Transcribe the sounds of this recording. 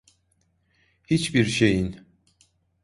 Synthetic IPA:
hit͡ʃbiɾʃe̞jin

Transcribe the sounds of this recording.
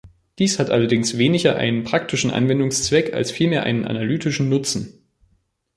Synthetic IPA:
d̥iːshatʔalɐdɪŋsv̥eːnɪçɐʔa̰ɪnənpʁ̥aktʰɪʃn̩ʔa̰nvɛndʊŋst͡sv̥ɛka̰lsfiːlmeːɐʔaɪnənʔa̰nalyːtɪʃn̩nʊt͡sn̩

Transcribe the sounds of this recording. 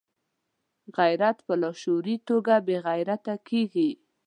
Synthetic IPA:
ɣajɾat̪pəlɑʃoɾit̪oɡabeɣajɾat̪akʰeɡi

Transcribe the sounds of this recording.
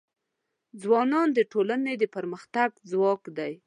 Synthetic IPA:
d͡zwɑnɑnd̪əʈolaned̪əpəɾməxt̪aɡd͡zwɑkd̪aj

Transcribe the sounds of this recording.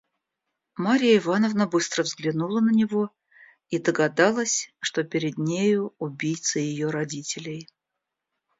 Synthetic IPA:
maɾʲɪjəɪvanəvnəbɨst̪ɾəvzɡlʲɪnulˠənənʲɪvo̞ | id̪əɡɐd̪ɑlˠəsʲʂt̪o̞pʲɪɾʲɪd̪nʲejʊːbʲijt̪səjɪjo̞ɾɐdʲitʲɪlʲɪj

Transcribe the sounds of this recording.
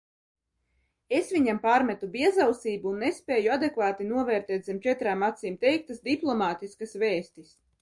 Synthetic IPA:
esvʲiɲampaːɾmɛt̪ubiɛzawsiːbuːnːespʲɛːjuad̪ekvaːt̪inuɔvɛːɾt̪ɛːt̪zɛmt͡ʃɛt̪ɾaːmat̪siːmt̪ɛjk̚t̪asd̪iplˠɔmaːt̪iskasveːst̪is

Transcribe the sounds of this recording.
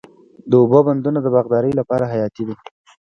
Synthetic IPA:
d̪əʊboband̪unod̪əbaɣd̪ɑɾəjlapɑɾaɦajɑt̪id̪i

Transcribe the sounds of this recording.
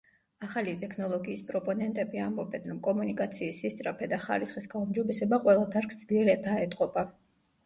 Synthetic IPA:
aχalit̪ʼɛkʰnɔlˠɔɡiːspʼɾɔpʼɔnɛnt̪ʼɛbiambɔbɛnɾɔmkʼɔmunikʼat̪sʰiːsist̪sʼɾapʰɛd̪aχa̰ɾisχisɡaumd͡ʒɔbɛsɛbaqʼwɛlˠap̪ʰaɾkʰd̪z̥liɛɾɛd̪aɛt̪ʼqʼɔba

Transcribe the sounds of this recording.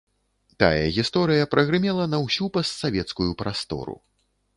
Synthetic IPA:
t̪a̰jɐ̰ɣʲist̪ɔɾɨjɐpɾʔɐɣɾɨmʲɛlˠɐnɐwsʲupɐst̪savʲɛt̪skujupɾast̪ɔ̰ɾṵ

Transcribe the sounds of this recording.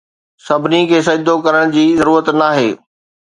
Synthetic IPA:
sɐbʱɪnikʰeːsɐd͡ʑd̪okɐɾəɽ̃d͡ʑiːzɐɾuːɾət̪naːɦeː

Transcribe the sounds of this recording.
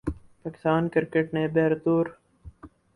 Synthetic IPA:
paːkɪ̥st̪aːnkɪɾkeʈneːbeːɾt̪uːɾ

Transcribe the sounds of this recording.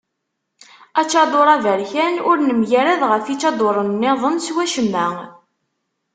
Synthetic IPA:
æt͡ʃːɑd̪ˤoɾˤɑvæɾçænʊɾnəmjæɾæðʁəfit͡ʃːɑd̪ˤoɾˤənːɪðˤənswæʃəmːæŋ

